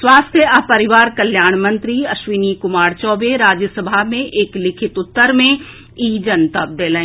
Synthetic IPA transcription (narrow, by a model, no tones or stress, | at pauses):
sʋaːst̪ʰjəapɐɾɪʋaːɾkɐljaːɽ̃mɐ̃nt̪ɾiɐʃʋiːniːkʊmaːɾt͡ʃɔːbeɾaːd͡ʒjəsəbʱamẽʔeklɪkʰɪt̪ʊt̪ːəɾmẽ | iːd͡ʒɐnt̪əp̚d̪eːləẽ